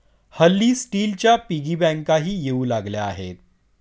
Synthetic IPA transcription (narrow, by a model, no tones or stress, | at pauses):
həlːiːsʈiːlt͡ɕjapiɡibɛ̃ŋkaɦiːjeuːlaɡljaːɦet̪̚